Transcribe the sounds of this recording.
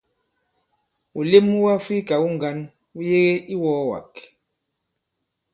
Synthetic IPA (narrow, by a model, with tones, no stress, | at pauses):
u˨le˦mu˦wa˦fi˦ka˨u˦ŋɡa˨˦n | u˦je˦ɣe˦ʔi˦wɔ˨˦wa̰˨k